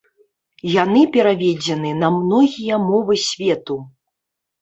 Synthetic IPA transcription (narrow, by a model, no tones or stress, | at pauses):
janɨpʲɛɾavʲɛd͡zʲɛnɨnɐmnɔɣʲijɐmɔvɨsʲvʲɛt̪u